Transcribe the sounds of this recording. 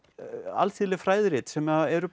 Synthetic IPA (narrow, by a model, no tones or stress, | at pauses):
a̰lθiːlɪfɾaːjðɾɪːt̪sɛmaðɛɾʏ